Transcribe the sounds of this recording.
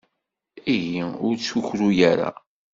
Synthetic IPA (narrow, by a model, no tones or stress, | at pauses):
iʝiʊɾt͡sːuçɾujaɾa̰